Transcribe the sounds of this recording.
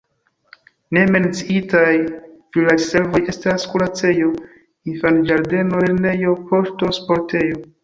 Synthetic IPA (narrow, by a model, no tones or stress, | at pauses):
ne̞me̞nt͡siitajpɾilaɾse̞lvo̞je̞staskulat͡se̞jo̞ | infand͡ʒaɾde̞nole̞ɾne̞jo̞pʰo̞ʃto̞spo̞ɾtʰe̞jo̞